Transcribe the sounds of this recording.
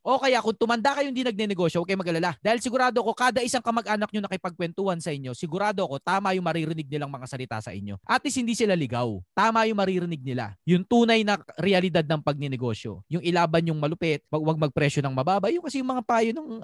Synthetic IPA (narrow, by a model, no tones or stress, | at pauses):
ʔo̞kɐjakʊŋt̪ʊmɐnd̪akɐjʊnd̪inɐɡ̚nɛnɛɡo̞ːʃjoʔɐkɐjmɐɡʔɐlalad̪aːhɪlsɪɡʊɾaːd̪oɐko̞kaːd̪ɐʔɪsaŋkɐmɐɡʔaːnɐk̚ɲonɐkɪpɐɡ̚kwɛnt̪uhansɐʔɪɲːo̞sɪɡʊɾaːd̪oɐko̞t̪aːmɐjʊŋmɐɾiɾɪnɪɡ̚nɪlaŋmɐŋasɐlɪt̪a̰sɐ̰ʔɪ̰ɲːo̞̰ʔɐt̪̚ːɪshɪnd̪iːsɪlalɪɡawt̪aːmɐjʊŋmɐɾiɾɪnɪɡ̚nɪla̰jʊŋt̪uːnɐjnɐɾɛɐlɪd̪ad̪nɐŋpɐɡ̚nɛnɛɡo̞̰ʃjo̞̰jʊŋɪlaːbɐnɲʊŋmɐlʊpɛt̪̚wɐɡwɐɡ̚mɐɡ̚pɾɛʃjo̞nɐŋmɐbaːbɐʔjʊŋkɐsɛjʊŋmɐŋapaːjonɐŋ